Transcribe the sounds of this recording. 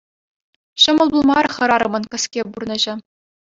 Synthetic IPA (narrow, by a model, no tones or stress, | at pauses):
ɕɤ̆mɤ̆lˠbulˠmɑrχɤ̆ɾɑɾɤ̆mɤ̆nkʲɘ̆skʲeburnɤ̆ʑɘ̆